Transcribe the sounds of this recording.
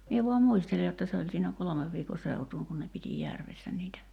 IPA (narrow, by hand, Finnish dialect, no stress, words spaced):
mie ʋuɑm muistele jotːɑ se olʲ siːnæ kolomeʋ ʋiːko seutuːŋ kun ne piti jærʋesːæ niːtæ